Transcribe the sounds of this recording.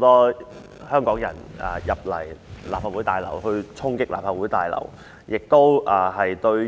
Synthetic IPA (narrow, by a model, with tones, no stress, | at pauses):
t̪ɔː˥ | hœː˥ŋkɔː˨˥ŋjɐ˨˩na˨˧jɐ˨p̚lɐ˨˩jlaː˨˩p̚haː˨˧wu˨˥t̪aː˨jlɐ̰˨˩wɦɵ˧ɥt͡sʰʊ˥ŋkɪ˥k̚laː˨p̚haː˨˩wu˨˥jt̪aː˨jlɐ̰˨˩w | jɪ˨k̚t̪o˥wʔaː˨˩ɦɐ˨jt̪ɵ˧ɥ